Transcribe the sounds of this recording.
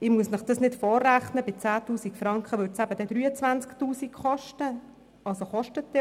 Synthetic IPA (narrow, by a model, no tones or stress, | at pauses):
ɪmuəsnəχd̥ɑsnɪtfɔːræχnəbɪt͡sæːt̪uːsikfɾɑŋkχəʋʏːɾtt͡sæb̥ədɛd̪ɾyːət͡sʋænt͡sktuːsikχɔʃtə | ʔɑlsoχɔʃtətːɪ